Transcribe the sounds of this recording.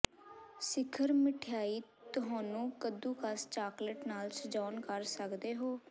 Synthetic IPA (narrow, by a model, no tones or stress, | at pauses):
sɪkʰːəɾmɪʈʰjaːiːt̪ʊɦaːnũːkəd̪uːkəst͡ʃaːkləʈnaːlsəd͡ʒɔːnkəɾsəkd̪eːɦoː